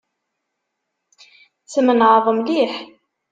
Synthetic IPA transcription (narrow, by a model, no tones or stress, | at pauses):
t͡sːəmənʕəðˤəmliħ